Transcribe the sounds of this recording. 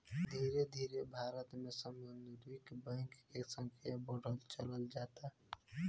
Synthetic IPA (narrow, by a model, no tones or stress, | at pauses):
d̪ʱiːɾed̪ʱiːɾebʱaɾət̪mesəmbənd̪ɾikbɛ̃ŋkkesə̃ŋkʰijabəɽ̤əlt͡ʃələld͡ʒaːt̪aɦ